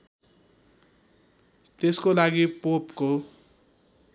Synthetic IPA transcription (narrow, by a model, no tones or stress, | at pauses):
t̪eskolaɡipopko